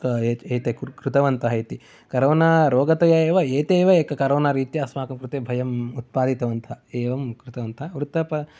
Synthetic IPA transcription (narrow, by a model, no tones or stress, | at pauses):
keːeːt̪ekkɾut̪ɐʋɐnt̪ʰɐɦɐjt̪i | kɐɾoːnaɾoːɡɐt̪ɐjɐeːʋɐeːt̪eːʋɐeːkɐkɐɾoːnaːɾiːt̪jɐɐsmaːkɐmkɾut̪eːbʱɐjɐmut̪̚paːd̪ʱit̪ɐʋɐnt̪ʰɐeːʋɐmkɾut̪ɐʋɐnt̪ʰɐʋɾut̪ɐpɐ